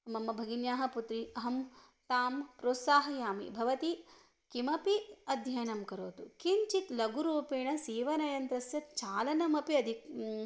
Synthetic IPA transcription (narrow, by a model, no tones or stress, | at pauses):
mɐmːɐbʱɐɡinjaːɦɐput̪ɾiɐɦɐm | t̪aːmpɾoːt̪saːɦɐjaːmḭbʱɐʋɐt̪i | kimɐpiɐd̪ʱjɐjɐnɐmkɐɾoːt̪ukiɲt͡ʃit̪lɐɡuɾuːpeːɳɐsiːʋɐnɐjɐnt̪ɾɐsjɐt̪̚t͡ʃaːlɐnɐmɐpiɐd̪ʱi